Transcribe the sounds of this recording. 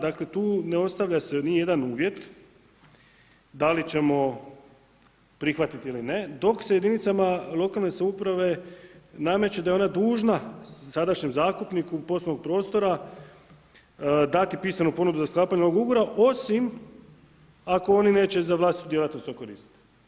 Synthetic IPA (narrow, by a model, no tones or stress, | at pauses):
d̪akle̞t̪uːneo̞st̪aʋʎasenije̞d̪anuːʋje̞t̪ | d̪alit͡ɕe̞mo̞ | pɾixʋat̪it̪iiline̞d̪o̞kseje̞d̪init̪samalˠo̞kalˠne̞saupɾaʋe̞name̞t͡ɕed̪ajeo̞nad̪uːʒnasad̪aʃɲe̞mzaːskt̪upnikupo̞slonoɡ̚pɾo̞ːst̪o̞ɾa | d̪at̪ipiːsmenupo̞nud̪uzasklˠaːpaɲnooɡuɡoɾaʔo̞sim | ako̞o̞nine̞ːt͡ɕe̞zaʋlaːsit̪ud̪jelat̪no̞st̪oko̞ɾiːst̪i̥t̪i̥